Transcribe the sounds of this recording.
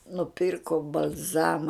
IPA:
nʊˈpʲiːrkoː bɐlʲˈzɑːmɐ

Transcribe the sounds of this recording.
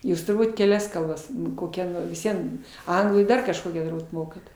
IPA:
ˈjuːs tʊrˈbuːt kʲɛˈlʲɛs kɐlˠˈbɐs koːˈkʲɛ ʋʲɪs ˈʋʲiɛn ˈɐŋɡlˠuː ɪr ˈdɐr kɐʃˈkoːkʲæː tʊrˈbuːt ˈmoːkɐt

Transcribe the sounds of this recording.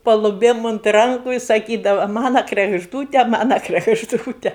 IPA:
pɐlˠʊˈbʲeːm ʊnt ˈrɐŋkʊ ɪ sɐˈkʲiːdɐʋɐ ˈmɑːnɐ krʲɛɡʒˈduːtʲɛ ˈmɑːnɐ krʲɛɡʒˈduːtʲɛ

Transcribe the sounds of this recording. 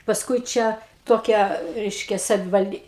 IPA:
pɐsˈkʊɪ ˈt͡ʃʲɛ toːˈkʲɛ ˈrʲɛɪʃʲkʲɛ sɐʋʲɪʋɐlʲˈdʲiː

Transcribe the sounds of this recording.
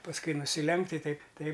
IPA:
pɐsˈkʊɪ nʊsʲɪˈlʲɛŋkt ɪ ˈtʲɛɪp ˈtɐɪp

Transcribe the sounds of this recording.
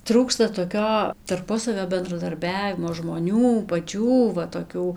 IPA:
ˈtruːkstɐ toːˈkʲoː tɐrˈpʊsɐʋʲoː bʲɛndrɐdɐrʲˈbʲæːʋʲɪmoː ʒmoːˈnʲuː pɐˈt͡ʃʲuː ʋɐ toːˈkʲuː

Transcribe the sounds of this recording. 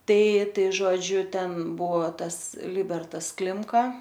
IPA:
ˈtɐɪ ˈtɐɪ ʒoːˈd͡ʒʲʊ ˈtʲɛn ˈbʊʋoː ˈtɐs ˈlʲɪbʲɛrtɐs ˈklʲɪmkɐ

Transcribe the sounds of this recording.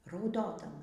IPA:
rɐʊˈdoːdɐmɐ

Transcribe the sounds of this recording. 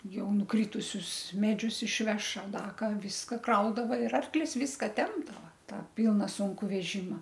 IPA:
ˈjɛʊ nʊˈkrʲɪtʊsʲʊs ˈmʲæːd͡ʒʲʊs ɪʃʲˈʋʲɛʃ ɐr ˈdɐ ˈkɑː ˈʋʲɪskɐ ˈkrɐʊdɐʋɐ ɪr ˈɐrklʲɪs ˈʋʲɪskɐ ˈtʲɛmbdɐʋɐ ˈtɑː ˈpʲɪlˠnɐ ˈsʊŋkʊ ʋʲɛˈʒʲɪmɐ

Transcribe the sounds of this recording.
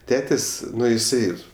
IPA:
ˈtʲæːtʲeːsʲ ˈnʊ ɪˈsɐɪ

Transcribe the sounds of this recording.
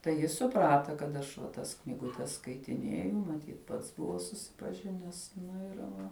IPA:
tɐɪ ˈjɪs sʊˈprɑːtɐ kɐt ˈɐʃ ʋɐ ˈtɐs knʲiːɡʊˈtʲɛs skɐɪtʲɪˈnʲeːjʊ mɐˈtʲiːt ˈpɐts ˈbʊʋoː sʊsʲɪpɐˈʒʲɪnʲɛs ˈnʊ ɪr ˈʋɐ

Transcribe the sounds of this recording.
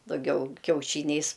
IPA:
dɐˈɡʲɛʊ kʲɛʊˈʃʲiːnʲɛɪs

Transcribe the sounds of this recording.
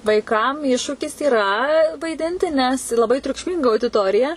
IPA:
ʋɐɪˈkɐm ˈɪʃʃuːkʲɪs iːrɐ ʋɐɪˈdʲɪnʲtʲɪ nʲɛs lˠɐˈbɐɪ tʲrʲʊkʃʲˈmʲɪŋɡɐ ɐʊdʲɪˈtoːrʲɪjɛ

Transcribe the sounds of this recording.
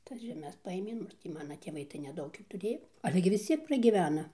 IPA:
ˈtɐs ʒʲɛˈmʲɛs pɐˈeːmʲeː ˈnʊ ɪr tʲiː ˈmɑːnɐ tʲeːˈʋɐɪ tɐɪ nʲɛˈdɐʊk ˈjuː tʊˈrʲeːjoː ˈɑːlʲɛ ɡʲɪ ʋʲɪs ˈt͡sʲiɛk prɐɡʲiːˈʋʲæːnɐ

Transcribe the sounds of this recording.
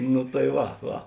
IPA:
nʊ tɐɪ ˈʋɐ ˈʋɐ

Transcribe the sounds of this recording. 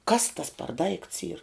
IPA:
ˈkɐs tɐs pɐr dɐɪkts iːr

